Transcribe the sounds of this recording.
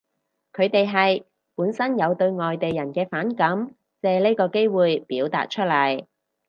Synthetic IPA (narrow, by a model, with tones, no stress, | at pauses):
kʰɵ˨˧ɥt̪e˨jɦɐ˨j | puː˨˥nsɐ˥njɐ˨˧wt̪ɵ˧ɥŋɔː˨jt̪e˨jɐ˨˩nkɛː˧faː˨˥nkɐ˨˥m | t͡sɛː˨le˥kɔː˧ke˥jwuː˨jpiː˨˥wt̪a̰ː˨t̚t͡ʃʰɵ˥t̚lɐ˨˩j